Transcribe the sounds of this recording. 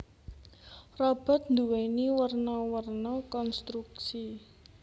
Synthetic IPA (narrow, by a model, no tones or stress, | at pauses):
rɔb̥a̤t̪̚nd̪uweniwərnɔwərnɔkɔnst̪ɾuk̚si